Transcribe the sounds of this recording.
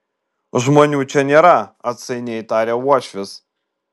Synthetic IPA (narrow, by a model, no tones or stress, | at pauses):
ʒmoːnʲuːt͡ʃʲɛnʲeːɾɐɐt̪sʲɐɪnʲɛɪt̪ɑːɾʲeuɔʃʲʋʲɪs